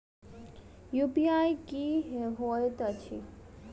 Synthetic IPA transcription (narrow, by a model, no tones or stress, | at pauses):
jupiajkiɦeɦojt̪ət͡ʃʰi